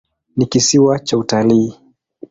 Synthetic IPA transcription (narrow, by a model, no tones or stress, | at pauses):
nikisiwat͡ʃautaliː